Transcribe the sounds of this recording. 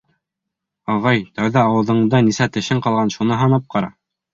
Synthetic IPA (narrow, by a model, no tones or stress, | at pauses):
ɑʁɑjt̪æwðæɑwɤ̆ðɤ̆ɴd̪ɑnisæt̪ɘ̆ʃɘɴqɑlˠʁɑnʃunɤɦɑnɤp̚qɑɾɑ̰